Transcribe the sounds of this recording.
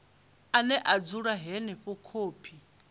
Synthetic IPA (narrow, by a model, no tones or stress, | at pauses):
anɛʔad͡zuɺaɦɛniɸukʰoːpʰi